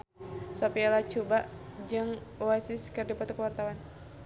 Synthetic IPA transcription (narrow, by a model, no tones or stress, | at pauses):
sɔpialat͡ʃubaʔd͡ʒɨŋwasiskɨrdipɔt̪ukəwart̪awan